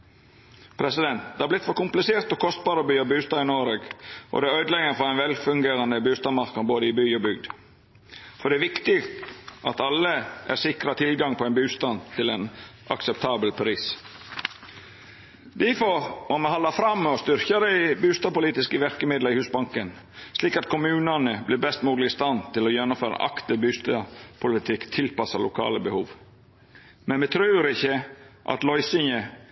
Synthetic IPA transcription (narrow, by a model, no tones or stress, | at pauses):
pʰɾɛsɪd̪ɛnt̪̚d̪ɛːhɑɾblɪt̪fɔɾkʊmplɪseːɾt̪ɔkʰɔst̪̚bɑːɾəbyːɑbʉːst̪ɑːɪnoːɾəɡʔɔ̰d̪ɛæɾœʏd̪lɛɡənfɔɛɪnʋɛlfʉŋɡeːɾɑnd̪əbʉːst̪ɑmɑɾknɑboːd̪əɪbyːɔbʏɡd̪ | fɔɾɖ̪ɛæʋɪkt̪ɪɡ̪ʔɑt̪ɑlːəʔæ̰ɾsɪkɾɑt̪ʰɪlɡɑŋpʰɔæɛnbʉːst̪ɑnt̪ʰɪlɛnʔɑ̰ksɛp̚t̪ʰɑːbəlpʰɾiːs | d̪ifɔmɔmɛhɑlːɑfɾɑmːɔst̪ʏɾçɑɾəɪbʉːst̪ɑpʊliːt̪ɪskəʋæɾkəmɪd̪ləɾɪhʉːsbɑŋkən | sliːkɑt̪kʰʊmʉːnɑnəblɪɾbɛst̪muːd̪lɪɪst̪ɑnt̪ʰɪlɔjɛnːʊmføːɾɑ̰ʔɑ̰kt̪ɪbʉːst̪ɑpʰʊlɪt̪ʰɪkt̪ʰɪlpɑsɑɾlʊkʰɑ̰ːləbəhuːʋ | mɛnmɛt̪ʰɾʉːɾɪçːəʔɑ̰t̪lɔʏsɪŋə